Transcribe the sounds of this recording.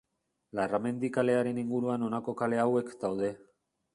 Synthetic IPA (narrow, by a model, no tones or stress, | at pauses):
larame̞nd̪ikale̞aɾe̞niŋɡuɾuano̞nako̞kale̞awe̞kd̪awðe̞